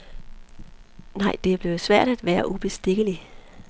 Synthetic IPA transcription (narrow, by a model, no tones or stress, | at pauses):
nɑ̈ɪ̰d̥e̝b̥le̝ʊsʋæɐ̰ɾ̥æd̥ʋæːɐʔub̥e̝sd̥e̝ɡ̥əli